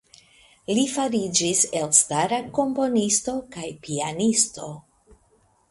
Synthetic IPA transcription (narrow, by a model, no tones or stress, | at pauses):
lifaɾid͡ʒise̞lstaɾako̞mpo̞nisto̞kajpianisto̞